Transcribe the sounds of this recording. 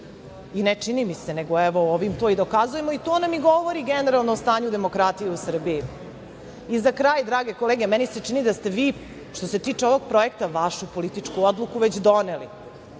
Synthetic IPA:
inet͡ʂinimise̞ne̞ɡoɛʋooʋimt̪oid̪okazuje̞moit̪oːnamiɡoʋoɾiɡeneɾalˠnost̪aːɲud̪e̞mokɾat̪ijeusr̩bii | izakɾaːjd̪ɾaːɡe̞koleɡe̞mɛnise̞t͡ʂinid̪ast̪e̞ʋiː | ʃt̪ose̞t̪iːt͡ʂeoʋo̞ɡ̚pɾo̞je̞k̚t̪aʋaʃupo̞lit̪it͡ʂkuod̪lˠukuʋet͡ɕd̪o̞nelḭ

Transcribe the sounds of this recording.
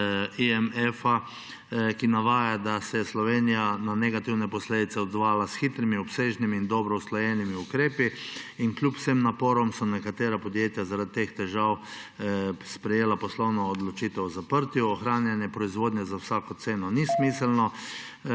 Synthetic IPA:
iɛmɛfa | kinaʋaːjad̪asɛjɛslɔʋeːnijananɛɡat̪iwnɛpɔsleːd̪it̪sɛɔd̪zʋaːjalasxit̪ɾimiɔpseʒnimiːnd̪ɔbɾɔslɔjɛnimiukɾeːpiinklʲjupw̥semnapoːɾɔmsɔnɛkat̪eːɾapɔd̪jeːt̪jazaɾad̪it̪ext̪ɛʒaw | spɾɛjeːlapɔslɔwnɔːd̪lɔt͡ʃiːt̪ɛwzapəɾt̪juɔxɾaːnjanjɛpɾɔizʋoːd̪njazawsaːkɔt̪seːnɔnismisɛlnɔ

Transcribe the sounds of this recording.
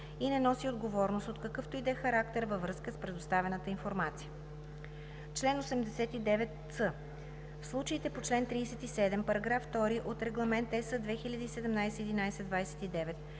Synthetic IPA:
inɛnɔsiod̪ɡovɔɾnost̪ot̪kɐkɤft̪oid̪ɛxɐɾak̚t̪ɛɾvəvɾɤskəspɾɛd̪ost̪avɛnət̪əinfoɾmat̪sijə | t͡ʃlɛnosɛmd̪ɛsɛt̪id̪ɛvɛt̪ | sɤ | fslˠut͡ʃəit̪ɛpot͡ʃlɛnt̪ɾiːsɛt̪isɛd̪ɛmpɐɾɐɡɾafːt̪ɔɾiʔot̪ɾɛɡlˠɐmɛnt̪ɛsəd̪vɛxilʲɐd̪iːsɛd̪ɛmnajsɛid̪inajsɛd̪vajsɛ̥t̪id̪ɛvɛt̪

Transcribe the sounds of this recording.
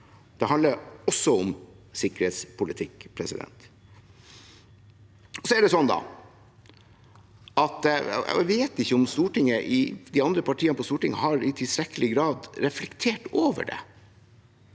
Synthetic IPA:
d̪̥ɛɦɑnd̪əɾɔsːɔɔmsɪkəɾheːt̪spʰʊlɪt̪ʰɪkːpʰɾɛsɪ̰d̪ɛ̰nt̪ | ɔsɔæɖɛsɔnːd̪ɑ̰ | ɑt̪ɛʋeːt̪ɪçːəɔmst̪uːʈɪŋəʔɪd̪ɪɑnd̪ɾəpʰɑʈʰiːənəpʰɔst̪uːʈɪŋhɑɾɪt̪ʰɪlst̪ɾɛkːəlɪɡɾɑːd̪ɾɛflɛkt̪ʰeːʈoːʋə̰ɖɛ̰

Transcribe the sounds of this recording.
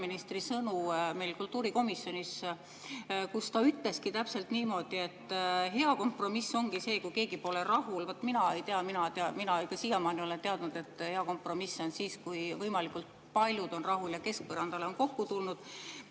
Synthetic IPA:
minist̪risɤnume̞jlkult̪ːˑuːɾiko̞misːjo̞nʲis | kust̪ɑyt̪ːˑle̞skit̪æpse̞lt̪niːmo̞d̪̥ie̞t̪ːɦe̞ɑko̞mpro̞misːo̞ŋɡ̥ise̞ːkujke̞ːɡipo̞le̞ɾɑɦulvɑt̪ːminɑe̞jt̪eɑminɑt̪eɑminɑikːɑsijɑmɑːnio̞le̞nt̪eɑd̪nud̪̥e̞t̪ːˑhe̞ɑko̞mpro̞misːo̞nsiːskujvɤjmɑlikult̪ | pɑlʲjud̪o̞nrɑɦuljɑke̞sk̚pɤrɑnd̪ɑle̞o̞nko̞kːut̪ulnud̪̥

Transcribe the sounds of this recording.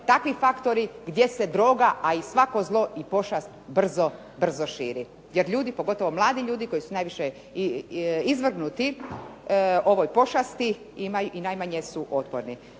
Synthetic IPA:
t̪akʋifakt̪o̞ɾiɡd̪je̞se̞d̪ɾo̞ːɡaʔaisʋako̞zlˠo̞ʔipo̞ʃast̪br̩zo | br̩zo̞ʃḭːɾi | jeɾʎuːd̪ipoɡo̞t̪o̞ʋo̞mlˠaːd̪iʎuːd̪iko̞jisunajʋiʃe | izʋr̩ɡnut̪i | o̞ʋo̞jpo̞ʃast̪i | imajuʔinajmaɲesuʔo̞t̪po̰ɾni

